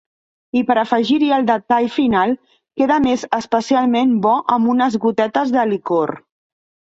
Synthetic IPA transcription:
ipəɾəfəʒiɾiəlˠd̪ət̪aʎfinalˠ | keðəmezəspəsialˠmembɔʔəmbunəzɣut̪ɛt̪əzðəlikor

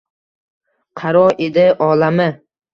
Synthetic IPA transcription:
qʰɑɾɒed̪ɪʔɒlamɪ

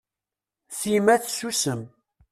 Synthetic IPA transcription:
θimæθsusəm

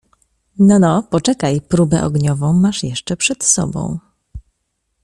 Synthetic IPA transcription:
nɔnɔpɔt͡ʂɛkajpɾubɛ̰ʔɔ̰ɡɲɔvɔ̃w̃maʂjɛʂt͡ʂɛpʂɛt̪sɔ̰bɔ̰̃w̃

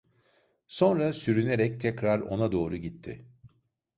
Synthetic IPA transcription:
so̞nɾasyɾyne̞ɾɛc̚t̪ʰɛcɾaɾo̞̰nad̪o̞ːɾuɟit̪ʰːɪ̰

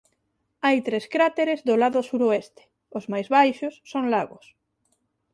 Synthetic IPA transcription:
ajt̪ɾeskɾat̪eɾezðolaðʊsuɾoest̪e̥ | ozmajzβajʃosːoŋlaɣo̰s

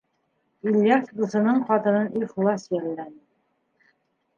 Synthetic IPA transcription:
ilʲjɑfd̪ŭsɤ̆nɤɴqɑt̪ɤ̆nɤnʔiflˠɑsjællːænɘ

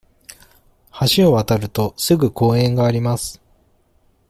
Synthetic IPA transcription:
haɕio̞βat̪aɾɯ̟t̪o̞sɨɡɯ̟ko̞ːẽ̞ŋɡaːɾʲimasɨ̥

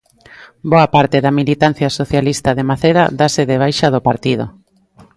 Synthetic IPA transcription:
boapaɾt̪eðamilit̪an̟θjasoθjalist̪aðemaθeɾa̰ðaseðeβ̞ajʃað̞opaɾt̪ið̞o̰

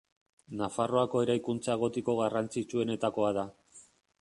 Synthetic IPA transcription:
nafaro̞ako̞e̞ɾajkunt͡sae̞ɣ̞o̞t̪iko̞ɣarant͡sit͡ʃue̞ne̞t̪ako̞aða

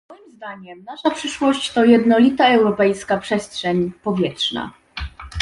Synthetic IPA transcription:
mɔjimzd̪aɲɛmnaʂapʂɘʂwɔɕt͡ɕt̪ɔjɛd̪nɔlʲit̪aɛwɾɔpɛjskapʂɛstʂɛɲpɔvʲjɛtʂna̰

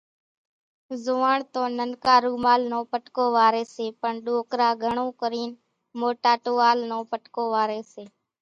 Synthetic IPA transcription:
zoːʋaːɳt̪õːnənkaːɾuːmaːlnõːpəʈkoːʋaːɾeːseːpəɳɗoːkɾaːɡʱəɳõːkəɾiːn | moːʈaːʈoːaːlnõːpəʈkoːʋaːɾeːseː

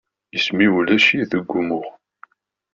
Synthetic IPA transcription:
jəsmiwlæʃiðəɡʷːumʊʁ

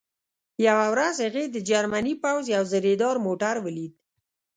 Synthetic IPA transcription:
jawawɾazhaɣed̪əd͡ʒaɾmanipawzjawzəɾed̪ɑɾmoʈaɾwəlid̪̚

